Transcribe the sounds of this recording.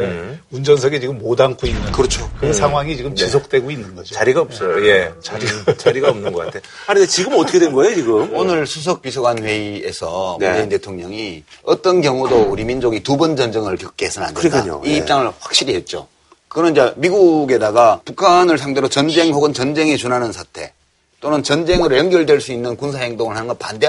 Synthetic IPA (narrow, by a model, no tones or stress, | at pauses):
eund͡ʑʌns̬ʰʌɡet͡ɕiɡɯmːodaŋkʰoinːɯnkɯɾʌt͡ɕʰokɯɯsʰaŋɦwaŋit͡ɕiɡɯmt͡ɕisʰok̚t͈we̞ɡoinːɯnɡʌd͡ʑot͡ɕaɾiɡaʌp̚s͈ʌjoje̞t͡ɕaɾiɡat͡ɕaɾiɡaʌmnɯnɡʌk͈atʰe | aiet͡ɕiɡɯmʌtʰʌkʰedwenɡʌejot͡ɕiɡɯmonɯɭsʰus̬ʰʌk̚p͈isʰoɡanɸwe̞iesʰʌmd͡ʑeinte̞tʰoŋɲʌŋi | ʌt͈ʌnkjʌŋudouɾimind͡ʑoɡitubʌnd͡ʑʌnd͡ʑeŋɯɭkjʌk̚k͈eesʰɯna̰ndedo̰iːp̚t͡ɕ͈aŋɯɭɸwak̚ɕ͈iɾiɦe̞t̚t͡ɕ͈o̰ | kɯɡnʌnd͡ʑamiɡuɡe̞daɡapukʰanɯɭs̬ʰaŋde̞ɾot͡ɕʌnd͡ʑe̞ŋhoɡɯnt͡ɕʌnd͡ʑe̞ŋet͡ɕunɦanɯnsʰatʰe̞ | t͈onɯnt͡ɕʌnd͡ʑe̞ŋɯɾojʌŋɡjʌɭdweɭs͈uinːɯnkunsʰahe̞ŋdoŋɯɭhanɯnɡʌnpa̰nde